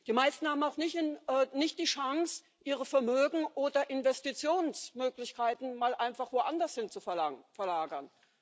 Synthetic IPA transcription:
d̥iːmaɪstn̩haːbm̩aʊxnɪçnɛːnɪçt̚d̥iːʃaŋs | ʔiːʁəfɛɐmøːɡŋ̩ʔoːdɐʔɪnvɛstit͡sjoːnsmøːklɪçkʰaɪtn̩maːlʔaɪnfaχv̥oːʔandɐshɪnt͡sufɛlaŋfɛɐlaːɡɐn

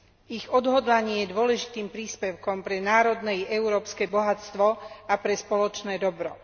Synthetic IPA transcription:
iɣɔd̪ɦɔd̪laɲɪɛjɛd̪ʊɔlɛʒit̪iːmpɾiːspɛʊkɔmpɾɛnaːɾɔd̪nɛjɛʊɾɔːpskɛbɔɦat͡st̪ʋɔapɾɛspɔlɔt͡ʃnɛːd̪ɔbɾɔ̰

